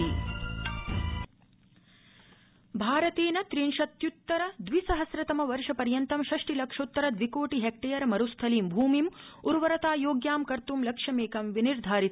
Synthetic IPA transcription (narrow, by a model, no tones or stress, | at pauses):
i | bʱaːɾɐt̪eːnɐt̪ɾinʃɐt̪jut̪ːɐɾɐd̪ʋisɐɦɐsɾɐt̪ɐmɐʋɐɾʂɐpɐɾjɐnt̪ɐmʃɐʂʈilɐkʂot̪ːɐɾɐd̪ʋikoːʈiɦek̚ʈeːjɐɾɐmɐɾust̪ʰɐliːmbʱuːmimuɾʋɐɾɐt̪aːjoːɡjaːmkɐɾt̪umlɐkʂɐmeːkɐmʋiniɾd̪ʱaːɾit̪